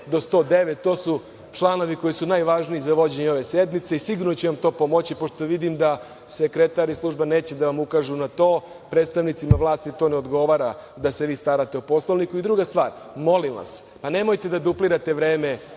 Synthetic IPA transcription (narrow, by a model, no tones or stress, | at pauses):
d̪o̞st̪o̞ːd̪e̞ʋet̪ːo̞ːsu | t͡ʂlˠano̞ʋiko̞jisunajʋaʒniizaʋo̞d͡ʑe̞ɲeo̞ʋe̞sed̪mit̪seisiɡuɾnot͡ɕeʋamt̪o̞ːpo̞mot͡ɕipo̞ʃt̪oʋid̪imd̪a | sekɾet̪aɾislˠuʒbane̞ːt͡ɕed̪aʋamukaːʒunat̪o̞ː | pɾet̪st̪aʋnit̪simaʋlˠaːst̪it̪o̞ːneo̞d̪ɡo̞ʋaːɾad̪aseʋiːst̪aɾat̪eupo̞slˠoʋnikuid̪ɾuːɡast̪ʋaːɾ | mo̞limʋa̰s | pane̞mojt̪e̞d̪ad̪upliɾat̪e̞ʋɾeːme